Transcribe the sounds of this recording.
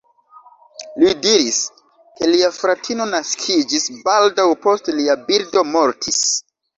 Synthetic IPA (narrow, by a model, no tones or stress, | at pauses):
lidiɾis | ke̞liafɾatʰino̞naskʰid͡ʒisbaldawpo̞stliabiɾdo̞mo̞ɾtʰis